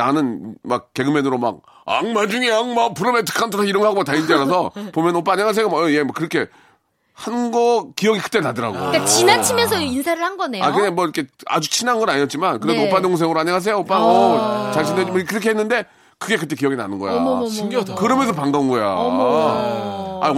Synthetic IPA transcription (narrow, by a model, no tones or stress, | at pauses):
nanɯnmak̚k͈ːe̞ɡɯmenɯɾoma̰k̚ | a̰ŋmad͡ʑuŋeaŋmapɯɾʌmentʰɯ̥kʰantʰukʰaiɾɯŋɦaɡomataind͡ʑeaɾasʰʌpomjʌnop͈aɲeŋɦas̬ejomemʌkɯɾʌkʰe̞ | hanɯnɡʌkijʌɡikɯ̥t͈enadɯɾa̰ɡo̰kainat͡ɕʰimjʌnsʰʌinsʰaɾɯɭhanɡʌnea̰kɯnamwʌiɾkʰe̞a̰d͡ʑut͡ɕʰinanɡʌnaɲijʌt̚t͡ɕ͈imankɯɾesopanoŋŋs̬ʰeŋɯɾoaɲeŋɦas̬ʰe̞joop͈aʌt͡ɕaŋɕʰined͡ʑmkɯɾʌkʰeɦenːɯnde̞ | kɯɡe̞kɯt͈e̞k̬ijʌɡina̰nɯnɡʌ̰ja̰ɡkɯɾʌmjʌnsʰʌpaŋɡaɯnɡʌja̰ | a̰